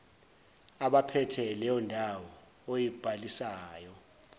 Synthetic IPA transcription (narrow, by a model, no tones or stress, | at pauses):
aɓapʰɛtʰɛlɛjɔndʱawɔ | ojib̥ʱalisaːjɔ